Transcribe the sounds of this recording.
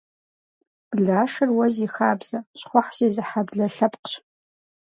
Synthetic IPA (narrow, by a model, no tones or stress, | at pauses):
ɮaːʂɨrwɐziːxaːbz̥ɐɕχʷɔħseːzɨħabɮɐɬɐpqə̥ɕ